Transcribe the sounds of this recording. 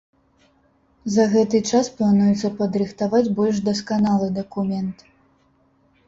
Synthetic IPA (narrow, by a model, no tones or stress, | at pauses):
zɐɣɛt̪ɨt͡ʂasplˠanujɛt̪sːɐpɐd̪ɾɨxt̪avad͡zʲbɔlʲʂd̪ɐskanalˠɨd̪ɐkumʲɛnt̪